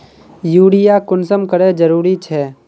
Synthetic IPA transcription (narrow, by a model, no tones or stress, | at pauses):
juːɽijakʊnsəmkəɾed͡ʒəɾuːɾit͡ʃʰɛː